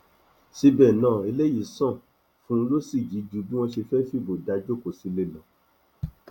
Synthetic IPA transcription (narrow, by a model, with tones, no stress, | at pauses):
si˧bɛ˨nãː˦˨e˧le˦ji˦˨sɔ̃˦˨ | fũ˦lo˦si˦˨d͡ʒi˨˦d͡ʒu˨˧˦bĩ˦w̃ɔ̃˧ʃi˧fɛ˦fi˦˨bo˨da˧˦d͡ʒo˦ko˨si˨˧le˧˨lã˨